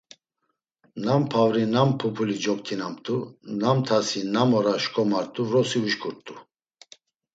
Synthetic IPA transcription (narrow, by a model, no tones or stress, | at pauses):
nampʰavɾinampʰupʰulid͡ʒɔk̚t̪ʰinamt̪ʼunamt̪ʰasinamɔɾaʃkʼɔmaɾt̪ʼuvɾɔsiuʃkʰʼuɾt̪ʼu